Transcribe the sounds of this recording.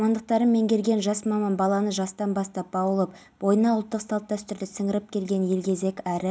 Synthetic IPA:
mɑnd̪əq̚t̪ɑɾənme̞ŋkʲʰe̞lɡʲe̞nʒɑsmɑmɑnbɑlˠɑnəʒɑst̪ɑnbɑst̪ɑp̚bɑwəlˠəp | bo̞jənɑʊlˠt̪ːəqsɑlˠp̚t̪æst̪ʏɾd̪ɪsɪŋɪɾɪp̚kʲʰe̞lɡʲe̞nje̞lkʲʰe̞ze̞kʲæɾɪ

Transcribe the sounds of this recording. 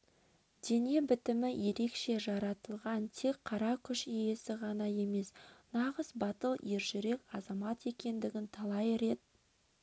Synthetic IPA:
d̪̥e̞ne̞bɪt̪ɪmɪje̞ɾe̞kʃe̞ʒɑɾɑt̪əlˠʁɑnt̪ʰe̞k̚qʰɑɾɑkʲʰʏʃijesɪʁɑnɑje̞me̞snɑʁəzbɑt̪əlˠje̞ɾʒʏɾe̞kʲɑzɑmɑt̪e̞kʲe̞nd̪ɪɡʲɪnt̪ʰɑlˠɑjɾe̞t̪̚

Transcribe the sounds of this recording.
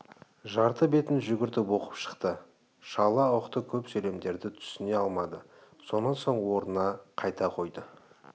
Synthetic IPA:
ʒɑɾt̪əbe̞t̪ɪnʒʏɡʲɪɾt̪ɪbo̞qə̥pʃə̥qt̪ə | ʃɑlˠɑwəqt̪əkʲʰɵpsɵle̞md̪e̞ɾd̪ɪt̪ʰʏ̥sɪne̞ɑlˠmɑd̪ə | so̞nːɑnso̞ɴwo̞ɾənɑqʰɑjt̪ɑqʰo̞jd̪ə

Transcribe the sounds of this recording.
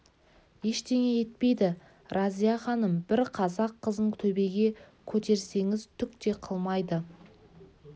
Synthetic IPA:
je̞ʃt̪e̞ŋe̞je̞t̪̚pe̞jd̪ɪ | ɾʔɑzijɑχɑnəmbɪɾqʰɑzɑqʰːəzəɴt̪ʰɵbe̞ɡʲe̞ | kʲʰɵt̪e̞ɾse̞ŋɪzt̪ʰʏk̚t̪e̞qʰəlˠmɑjd̪ə

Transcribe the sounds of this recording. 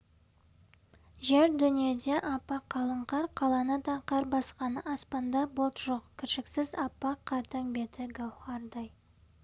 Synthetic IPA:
ʒeɾd̪ʏnije̞d̪e̞ʔɑpːɑqʰɑlˠəɴqɑɾqʰɑlˠɑnəd̪ɑqʰɑɾbɑsqɑnəʔɑspɑnd̪ɑbolˠt̪ʒoqkʲʰɪɾʃɪksɪzɑpːɑqʰɑɾt̪ɑŋbe̞t̪ʰɪɡɑwχɑɾd̪ɑj

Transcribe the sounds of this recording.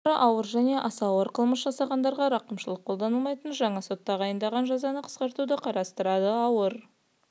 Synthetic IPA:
ɾəʔɑwəɾʒæne̞ʔɑsɑwəɾqʰəlˠməsʒɑsɑʁɑnd̪ɑɾʁɑɾɑqəmʃəlˠəqʰːo̞lˠd̪ɑnəlˠmɑjt̪ənʒɑɴɑso̞t̪ːɑʁɑjənd̪ɑʁɑnʒɑzɑnəqʰə̥sqɑɾt̪ud̪əqʰɑɾɑst̪əɾɑd̪əɑwəɾ

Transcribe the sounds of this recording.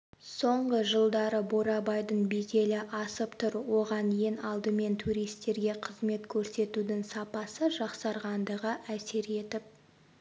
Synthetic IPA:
so̞ɴʁəʒəlˠd̪ɑɾəboɾɑbɑjd̪əɴbize̞lɪʔɑsəpt̪ʰʊɾwo̞ʁɑnje̞nɑlˠd̪əme̞nt̪ʰuɾijst̪e̞ɾɡʲe̞qʰəzme̞t̪kʲʰɵɾse̞t̪ud̪ɪŋsɑpɑsəʒɑqsɑɾʁɑnd̪əʁəʔæse̞ɾe̞t̪ɪp̚

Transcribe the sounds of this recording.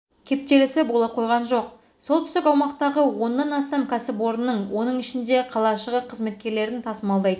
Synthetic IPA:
kʲʰe̞p̚t̪e̞lɪsebo̞lˠɑp̚qʰo̞jʁɑnʒo̞q | so̞lˠt̪ʰʏ̥st̪ɪkɑwmɑqt̪ɑʁəwo̞nːɑnɑst̪ɑmkʲʰæsɪpo̞ɾənːəɴwo̞nəɴɪʃɪnd̪e̞qʰɑlˠɑʃəʁəqʰəzme̞t̪̚kʲe̞ɾle̞ɾɪnt̪ʰɑsəmɑlˠd̪ɑjd̪ə

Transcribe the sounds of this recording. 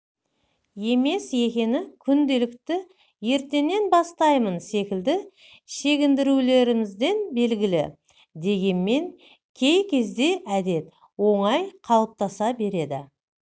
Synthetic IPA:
je̞me̞sje̞kʲe̞nɪkʲʰʏnd̪e̞lɪkt̪ɪ | je̞ɾt̪e̞nːe̞nbɑst̪ɑjmənse̞kʲɪld̪ɪ | ʃe̞ɡʲɪnd̪ɪɾule̞ɾɪmɪzd̪e̞nbe̞lɡʲɪlɪ̰ | d̪e̞ɡʲe̞nme̞ŋ | kʲʰe̞jkʲʰe̞zd̪e̞ʔæd̪e̞t̪ | wo̞ɴɑjqʰɑlˠəp̚t̪ɑsɑbe̞ɾe̞d̪ɪ

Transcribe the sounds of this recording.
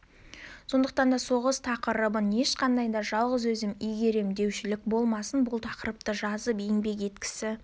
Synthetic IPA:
so̞nd̪əqt̪ɑnd̪ɑso̞ʁəst̪ʰɑqəɾəbəne̞ʃqɑnd̪ɑjd̪ɑʒɑlˠʁəzwɵzɪmijɡʲe̞ɾemd̪e̞wʃɪlɪk̚bo̞lˠmɑsənbʊlˠt̪ʰɑqəɾəp̚t̪əʒɑzəpeŋbe̞k̬e̞t̪kʲɪ̥sɪ

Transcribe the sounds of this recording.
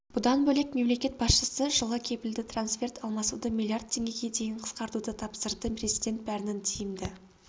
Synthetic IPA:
b̥ʊd̪ɑnbɵlekme̞mle̞kʲe̞t̪bɑsʃəsəʒəlˠʁɑkʲʰe̞pɪld̪ɪt̪ʰransfʲe̞rt̪ɑlˠmɑsud̪əmʲilˠiard̪̚t̪ʰːe̞ŋɡʲe̞ɡʲe̞d̪e̞jɪɴqʰə̥sqɑɾt̪ud̪ət̪ʰɑpsəɾd̪əpʰrʲezijd̪ʲe̞nt̪̚bæɾɪnɪnt̪ʰijɪmd̪ɪ

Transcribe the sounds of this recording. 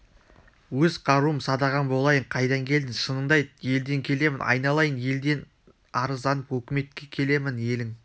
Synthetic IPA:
wɵzqʰɑɾuəmsɑd̪ɑʁɑnbo̞lˠɑjəɴqʰɑjd̪ɑŋkʲʰe̞ld̪ɪnʃənəɴd̪ɑjd̪̚je̞ld̪e̞ŋkʲʰe̞le̞mɪnɑ̰jnɑlˠɑjənje̞ld̪e̞n | ɑɾəzd̪ɑnəpwɵkʲɪme̞t̪̚kʲe̞kʲʰe̞le̞mɪnje̞lɪŋ

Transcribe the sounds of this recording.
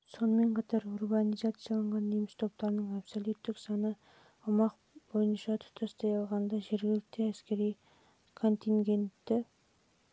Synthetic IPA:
so̞nəme̞ɴqʰɑt̪ɑɾurbɑnijzat̪sɨjɑlˠɑɴʁɑnd̪emɪst̪ʰo̞p̚t̪ɑɾnəɴapsolˠut̪ːɪksɑnə | ʊmɑq | bo̞jənʃɑt̪ʰʊ̥t̪ʰɑst̪ɑjɑlˠʁɑnd̪ɑʒe̞ɾɡʲɪlɪk̚t̪eæskʲe̞ɾij | kʰo̞nt̪iŋɡʲe̞nt̪ːɪ

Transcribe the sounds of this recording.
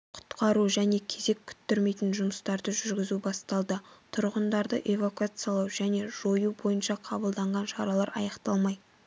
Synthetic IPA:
qʰʊ̥t̪qʰɑɾuʒæne̞kʲʰe̞ze̞kʲʰʏ̥t̪ːɪɾme̞jt̪ɪnʒʊməst̪ɑɾd̪əʒʏɾɡʲɪzubɑst̪ɑlˠd̪ət̪ʰʊɾʁənd̪ɑɾd̪əʔe̞vokuat̪sɨjɑlˠɑwʒæne̞ʒo̞jubo̞jənʃɑqʰɑbəlˠd̪ɑɴʁɑnʃɑɾɑlˠɑɾɑ̰jɑqt̪ɑlˠmɑj

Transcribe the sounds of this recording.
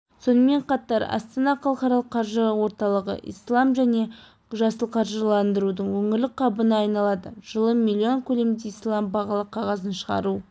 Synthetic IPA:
so̞nəme̞ɴqɑt̪ɑɾɑ̰st̪ɑnɑqʰɑlˠəχɑɾɑlˠəqʰːɑɾʒəwo̞ɾt̪ɑlˠəʁə̰ʔḭjslˠɑmʒæne̞ | ʒɑsəlˠqʰɑɾʒəlˠɑnd̪əɾud̪əɴwɵŋɪɾlɪk̚qʰɑbənəɑjnɑlˠɑd̪ə̰ʒ̥əlˠəmilʲːio̞ŋkʲʰɵle̞md̪eislˠɑmbɑʁɑlˠəqʰːɑʁɑzənʃəʁɑ̰ɾu

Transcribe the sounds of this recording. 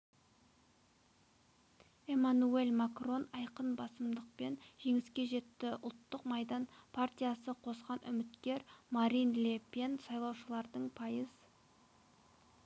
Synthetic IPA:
e̞manue̞lʲmakro̞nɑjqənbɑsəmd̪əq̚pe̞nʒ̥e̞ŋɪskʲe̞ʒe̞t̪ːɪʔʊlˠt̪ːəqmɑjd̪ɑnpʰart̪ʲijasəqʰo̞sqɑnʔʏ̰mɪt̪kʲe̞ɾmaɾinlʲepensɑjlˠɑwʃəlˠɑɾd̪əɴpʰɑjəz

